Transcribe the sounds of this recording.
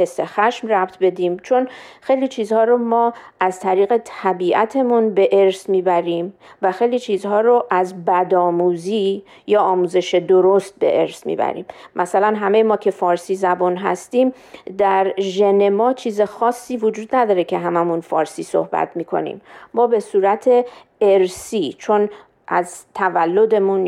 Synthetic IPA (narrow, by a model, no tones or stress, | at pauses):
he̞sːexæʃmræb̥t̪ʰbe̞d̪iːmt͡ʃʰo̞nxejlit͡ʃʰiːzhɒːɾomɒːʔæzt̪ʰæɾiːɣe̞t̪ʰæbiːʔæt̪ʰe̞munbe̞ʔeɾsmiːbæɾiːm | væxe̞jliːt͡ʃʰiːzhɒːɾoʔæzbæd̪ɒːmuːziː | jɒːmuːze̞ʃed̪oɾo̞st̪̚be̞̰ʔeɾsmḭːbæ̰ɾḭːmːʔæsælænɦæme̞jemɒːcʰe̞fɒːɾsiːzæbɔnɦæ̰st̪iːm | d̪æɾʒe̞ne̞mɒːt͡ʃʰiːze̞xɒːsːiːvod͡ʒuːd̪næd̪ɒːɾecʰe̞ɦæmæmunfɒːɾsiːso̞̰hbæ̰t̪ʰmiːkʰo̞̰nḭmːɒːbe̞suːɾæt̪ʰe̞ | eɾsiːt͡ʃʰo̞n | ʔæzt̪ʰævælːo̞d̪e̞mun